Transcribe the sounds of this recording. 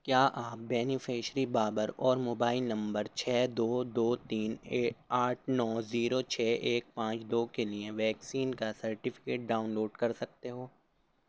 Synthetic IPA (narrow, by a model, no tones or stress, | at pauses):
kjaːʔaːp̚bɛːnɪfeːʃɾibaːbəɾɔːɾmoːbaːɪlnɐ̃mbəɾt͡ʃʰɛːd̪oːd̪oːt̪iːneːaːʈʰnɔːziːɾot͡ʃʰɛːʔeːk̚pãːt͡ʃd̪oːkelieʋɛːksiːnkasɐɾʈɪfɪ̥keːʈ̚ɖaːʊnloːɖkɐɾsɐk̚t̪eɦoː